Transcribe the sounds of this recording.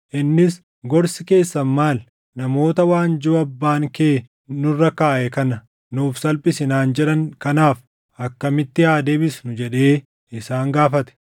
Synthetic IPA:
ʔɪnːɪs | ɡɔɾsɪke̞ːsːɐnmaːl | nɐmo̞ːt̪ɐwaːnd͡ʒʊɐbːaːŋkeː | nʊrːɐkaːʔɛkɐnɐ | nuːfsɐlpʼɪsɪnaːnd͡ʒɛᶑɐŋkɐnaːf | ɐkːɐmɪt̪ːɪjaːd̪eːbɪsnʊd͡ʒɛᶑe̞ː | ɪsaːŋɡaːfɐt̪ɛ̥

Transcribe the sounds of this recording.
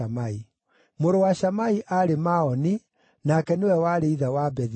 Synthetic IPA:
amai | moɾowaʃamaiʔaɾemaɔni | nakɛnewɛwaɾeiðawabɛð

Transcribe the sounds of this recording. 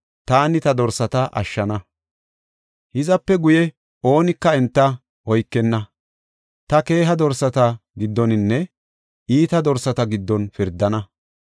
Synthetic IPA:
t̪aːnɪt̪ɐd̪ɔɾsɐt̪ɐʔɐ̰ʃːɐnɐ | hɪzɐpːɛɡʊjɛ | o̞ːnɪkːɐɛnt̪ːɐ | ɔjkːɛnːɐ | t̪ɐke̞ːɦɐd̪ɔɾsɐt̪ɐɡɪd̪ːɔnɪnːɛ | iːt̪ɐd̪ɔɾsɐt̪ɐɡɪd̪ːɔnfɪɾd̪ːɐnɐ

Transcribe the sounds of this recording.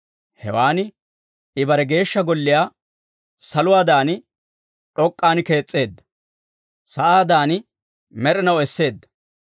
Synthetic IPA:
hɛ̰waːnɪ | ɪbɐɾɛɡe̞ːʃːɐɡɔlːɪjaː | sɐlʊwaːd̪aːnɪ | ᶑɔkʼːaːnke̞ːt͡sʼːe̞ːd̪ːɐ̥ | sɐʔaːd̪aːnɪ | mɛɾɛnɐwɛsːe̞ːd̪ːɐ̥

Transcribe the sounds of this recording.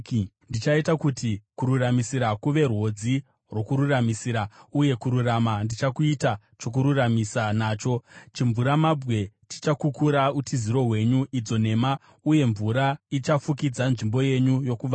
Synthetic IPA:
ndit͡ʃaitakutikuɾuramisiɾakuʋe̞rwo̞d͡zi | rwo̞kuɾuramisiɾauje̞kuɾuramandit͡ʃakuita | t͡ʃo̞k̬uɾuramisanaːt͡ʃo̞t͡ʃiɱvuɾamabɣe̞ti̥t͡ʃakukuɾautʰiziɾo̞ɦwe̞ɲuʔid͡zo̞ne̞ma | uje̞ɱvuɾait͡ʃafukid͡zanʐimbo̞je̞ɲujo̞kuʋa

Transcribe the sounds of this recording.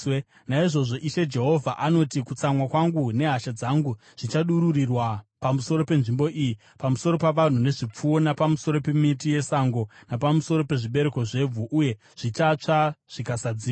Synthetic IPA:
naiʐo̞ʐo̞ʔiʃe̞d͡ʒe̞ɦo̞vʱaʔano̞tikut͡samwakwaŋɡune̞ɦaʃad͡zaŋɡu | ʐ̥it͡ʃaɗuɾurirwapamuso̞ɾo̞pe̞nʐimbo̞ʔiji | pamuso̞ɾo̞paʋan̤une̞ʐip͡fuo̞napamuso̞ɾo̞pe̞mitije̞saŋɡo̞napamuso̞ɾo̞pe̞ʐiɓe̞ɾe̞ko̞ʐe̞b͡vuʔuje̞ | ʐ̥it͡ʃat͡ʂaʐ̥ikasad͡ziːa

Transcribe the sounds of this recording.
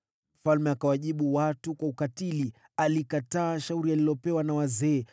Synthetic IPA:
m̩falmɛakawaʄiɓuwatukwaukatili | alikataːʃauɾialilɔpɛwanawazɛː

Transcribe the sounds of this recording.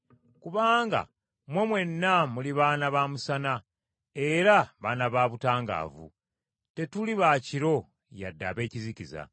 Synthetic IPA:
kuβaːŋɡa̰ | mwe̞mwe̞nːamuliβaːnaβaːmusana | e̞ɾaβaːnaβaːβutaːŋɡa̰ːvṵ | te̞tuliβaciɾo̞ | ja̰dːa̰βe̞ːciziciza̰

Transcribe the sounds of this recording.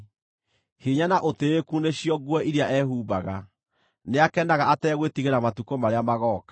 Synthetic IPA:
heɲanaʔoteekuːneɕiɔɡwɔʔiɾeaʔɛhuːbaɣa | neakɛndaɣaatɛːɣwetiɣeɾamatukɔmaɾeamaɣɔːkḁ

